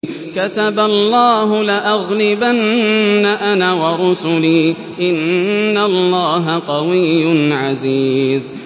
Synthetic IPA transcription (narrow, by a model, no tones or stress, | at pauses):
kat̪abalːaːɦʊlaʔaɣlɪbanːaʔanaːwɑɾˤʊsʊliː | ʔɪnːalːaːɦaqɑwɪjːʊnʕaziːz